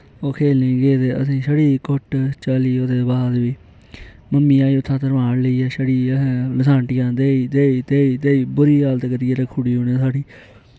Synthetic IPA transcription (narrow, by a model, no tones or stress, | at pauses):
oːkʰeːlnĩːɡeːt̪eːə̰sĩːsəɽiːkʊʈt͡ʃəliːoːd̪eːbaːd̪ʋiː | məmːĩːaːiːʊt̪ʰːãːt̪əɾʋaːɳləiːɛːʃəɽĩːləsãːɳʈɪjãːd̪eːiːd̪eːiːt̪eːiːt̪eːiːbʊɾiːaːlt̪ːkəɾiːeːɾəːkʰːʊɽiːoːnẽːsaːɽiː